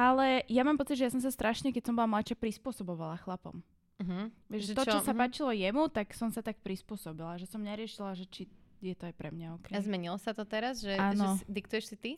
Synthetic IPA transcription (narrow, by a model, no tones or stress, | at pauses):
ʔalɛjamaːmpɔt͡siɟʒɛjasɔms̬ast̪ɾaʃɲɛkɛcsɔmbɔlamlat͡ʃapɾispʊɔsɔbɔʋalaxlapɔ̰m | ɦ̩ʋɛʒʒʒɛt̪ɔt͡ʃɔsapaːt͡ʃilɔjɛmut̪aksɔmsat̪ak̚pɾispʊɔsɔbilaʒɛsɔmɲɛɾɪɛʃilaʒɛt͡ʃijɛt̪ɔajpɾɛmɲaɔkɛzmɛɲilɔsat̪ɔt̪ɛɾazʒɛaːnʒɛɔid̪ikt̪ujɛʃsit̪i